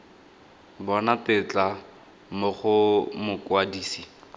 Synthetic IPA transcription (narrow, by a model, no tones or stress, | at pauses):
bɔnatɪt͡ɬa | mʊχʊmʊkwadiːsi